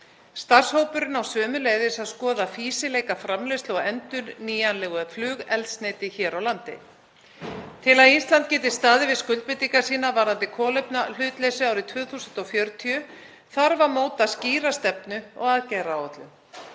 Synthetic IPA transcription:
st̪ar̥showpʏɾɪnawsœːmʏleːjðɪsaðskɔːðafiːsɪleːjkafɾamlest̪lɔɣɛnt̪ʏɾniːjanlɛːɣʏflʏːɣɛlt̪sneːt̪ɪçɛːɾawlant̪ɪ̰ | t̪ʰɪlaðinst̪lant̪̚cɛːt̪ɪst̪aːðɪvɪskʏlt̪̚pɪt̪iŋkasiːnavaɾant̪ɪkʰɔːlepnal̥ʏːt̪lɛːsʏaːwɾɪt̪ʰvœːθusʏnt̪ɔfjœɾt̪ʰiʏ | θaɾvaɾmoːwt̪asciːɾast̪ɛpnʏɔɣaðcɛjɾaat̪lʏm

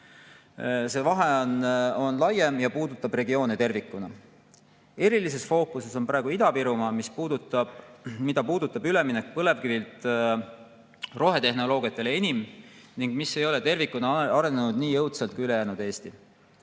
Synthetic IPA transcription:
se̞ːvɑɦe̞ono̞nlɑjemjɑpuːd̪ut̪ːˑɑbre̞ɡio̞ːnet̪e̞rvikːˑunɑ | e̞ɾilis̬e̞sfo̞ːkuse̞soprɑːeɡuid̪̥ɑpiɾumɑmispuːd̪ut̪ɑ̥mid̪ɑpuːd̪̥ut̪ːˑɑbyle̞minekːpɤle̞vkivilt̪ | ro̞ɦe̞t̪e̞ɦno̞lo̞ːɡ̥ijɑt̪ːˑe̞leenʲimniŋɡ̥misːe̞jo̞le̞t̪e̞rvikːˑunɑɑɾe̞nenud̪̥niːjɤwt̪sɑlt̪̚kyle̞jæːnud̪e̞ːst̪i

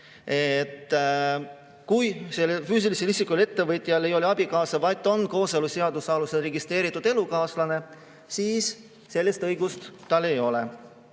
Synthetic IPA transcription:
et̪ː | kujselefyːs̬iliselisikule̞t̪ːe̞vɤt̪ˑjɑlejo̞leɑb̥ikɑːsɑvɑjt̪ːˑo̞nko̞ːseluse̞ɑd̪usɑluse̞lreɡist̪re̞ːɾit̪ːˑud̪̥e̞lukɑːslɑne̞ | siːsː | e̞lʲːest̪ɤjɡust̪ːɑlːe̞jo̞le

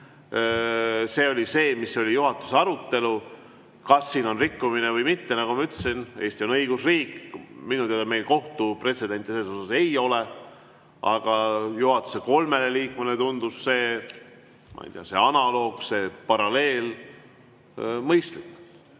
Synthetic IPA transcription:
se̞ːo̞lʲise̞ːmisːo̞lʲijuɦɑt̪ːˑu̥se̞ɑɾut̪ːe̞lu | kɑsːiːno̞nrikːuminevɤjmit̪ːe̞nɑɡ̥umɑyt̪ːesine̞ːst̪ʲio̞nɤiɡ̥usriːkminut̪eleme̞jlko̞ht̪upre̞t̪se̞d̪̥e̞nt̪ʲːˑiselːso̞sɑse̞jo̞le | ʔɑɡ̥ɑjuhɑt̪ːˑu̥se̞ko̞lme̞le̞liːkmenet̪und̪̥usːe̞ː | mɑ̰jt̪eɑ̰se̞ɑnɑlo̞ːɡ̥se̞pɑɾɑle̞ːl | mɤjst̪likː

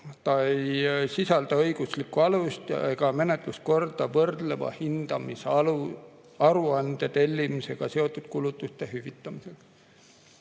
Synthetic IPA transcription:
t̪ɑejsisɑld̪̥ɑɤ̞jɡ̥uslikːˑuɑlust̪jɑeɡ̥ɑme̞net̪ˑlusko̞rd̪̥ɑvɤrd̪̥le̞vɑ̰hind̪̥ɑmislu | ɑɾuɑnd̪̥et̪e̞lʲːimise̞ɡ̥ɑse̞o̞t̪ːˑud̪̥kulut̪ːˑust̪e̞ɦyvit̪ˑːɑmise̞ks

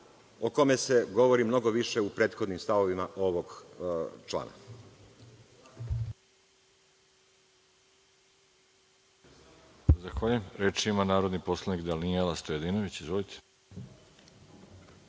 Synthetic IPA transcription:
oko̞mese̞ɡo̞ʋoɾimno̞ɡo̞ʋiʃeupɾe̞ːt̪xo̞d̪nimst̪aʋo̞ʋimaʔo̞ʋoɡ | t͡ʃlˠa̰ːna̰ | zaxʋaːʎujemɾet͡ʃimanaːɾo̞d̪nipo̞slˠanikd̪alnielast̪ojed̪inoʋit͡ɕizʋolit̪ʰe̥

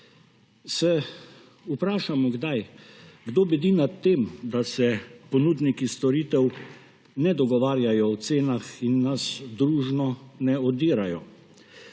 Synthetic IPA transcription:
sɛ | upɾaːʃamɔɡd̪ajɡd̪oːbɛd̪iːnat̪ːeːmd̪asɛpɔnuːd̪nikist̪ɔɾiːt̪ɛw | nɛd̪ɔɡɔʋaːɾjajɔɔt̪seːnaxinːasd̪ɾuːʒnɔnɛɔd̪iːɾajɔ

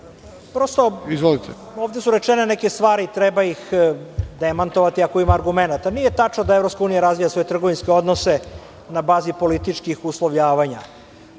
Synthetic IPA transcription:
pɾo̞st̪o̞izʋolit̪e | oːvd̪esuɾet͡ʂenenekest̪ʋaːɾit̪ɾebaix | d̪emant̪oʋat̪iakoimaːɾɡumenat̪anije̞t̪at͡ʃnod̪aevɾo̞pskauːnijaɾazʋijasʋo̞jet̪r̩ɡoʋinskeo̞d̪nose̞ | nabaːzipo̞lit̪it͡ʂkixuslˠoʋʎaːʋaɲa̰

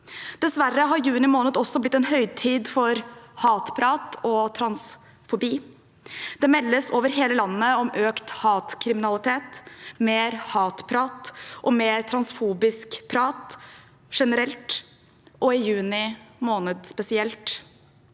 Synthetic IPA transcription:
d̪̥ɛsʋærəɦɑɾjʉːnɪmoːnəd̪ɔsːɔblɪt̪ːɛnɦœʏt̪ʰiːd̪fɔɾhɑːt̪pʰɾɑːt̪ɔt̪ʰɾɑns | fʊbiː | d̪̥ɛmɛlːəsoːʋəɾɦeːləlɑnːəɔmʔøːkt̪hɑːt̪kʰɾɪmɪnɑlɪt̪ʰeːt̪meːɾhɑːt̪pʰɾɑːt̪ʔɔmeːɾt̪ʰɾɑnsfuːbɪskpʰɾɑːt̪ | ʂɛnəɾɛlt̪ | ʔɔɪjʉːnɪmoːnəd̪spɛsɪɛlt̪

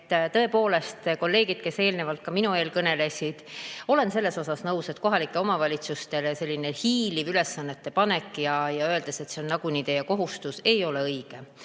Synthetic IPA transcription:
t̪ːt̪ɤ̞epo̞ːle̞st̪ko̞lːe̞ːɡid̪̥̚ke̞se̞ːlnevɑlt̪̚kɑminue̞ːlkɤne̞le̞sʲid̪̥o̞le̞nse̞lːe̞so̞sɑsnɤwse̞t̪̚ko̞ɦɑlikːˑe̞o̞mɑvɑlʲit̪sust̪e̞lese̞lːinehiːlivyle̞sːɑnːet̪ːe̞pɑne̞kːˑjɑjɑøːld̪ese̞t̪se̞onːɑɡ̥unit̪e̞jeko̞ɦust̪use̞jo̞le̞ɤjɡ̥e

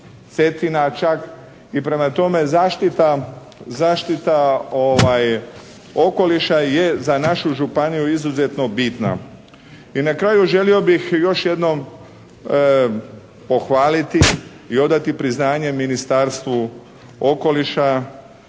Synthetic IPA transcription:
se̞t̪inat͡ʃak | ipɾe̞mat̪o̞me̞zaːʃt̪it̪a | zaːʃt̪it̪aoʋaj | o̞ko̞liʃaje̞zanaʃuʒupanijuizuze̞t̪no̞bit̪na̰ | inakɾaːjuʒe̞lio̞bixjo̞ʃje̞d̪no̞m | po̞xʋaːlit̪i | io̞d̪at̪ipɾiznaːɲe̞minist̪aɾst̪ʋu | o̞ko̞liʃa

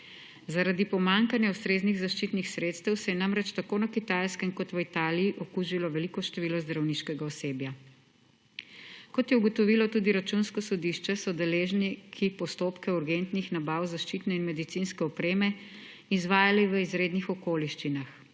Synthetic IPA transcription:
zaɾad̪ipɔmaŋkanjaust̪ɾeːzniɣzaʃt͡ʃit̪nixsɾeːt̪st̪ɛwsɛjɛnamɾɛt͡ʃt̪akoːnakit̪ajskɛmkɔt̪ʋit̪aːlijiʔɔkuʒilɔʋɛlikɔʃt̪ɛʋiːlɔzd̪ɾawniːʃkɛɡaɔseːbja | kɔt̪jɛuɡɔt̪ɔʋilɔt̪uːd̪iɾat͡ʃunskɔsɔd̪iʃt͡ʃɛsɔd̪ɛleʒnikʰipɔst̪oːpkɛuɾɡent̪nixnabawzaʃt͡ʃit̪nɛinmɛd̪it̪sinskɛɔpɾeːmɛ | izʋaːjaliʋəizɾed̪nixɔkoːliʃt͡ʃinax

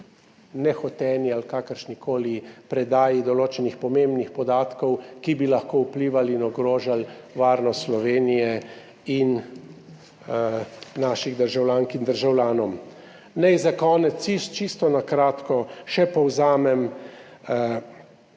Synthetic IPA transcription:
nɛxɔt̪ɛnialkaːkəɾʃnikoːlipɾɛd̪aːjid̪ɔloːt͡ʃɛnixpɔmembnixpɔd̪aːt̪kɔwkibilaxkoːupliːʋalinɔɡɾoːʒalʋaːɾnɔst̪slɔʋeːnijɛ | in | naːʃiɣd̪əɾʒawlʲaːŋkind̪əɾʒawlʲaːnɔm | nɛjzakɔːnɛt̪sist͡ʃist̪ɔnakɾaːt̪kɔʃɛpɔwzaːmɛm

